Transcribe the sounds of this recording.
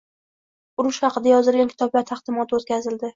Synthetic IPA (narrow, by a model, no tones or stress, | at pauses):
ʊɾʊʃχɑqɨd̪ajɒzɪlɡʲankʲʰɪ̥t̪ʰɒblaɾt̪ʰaχd̪̥ɪmɒt̪ʰot̪̚kʲazɪld̪ɪ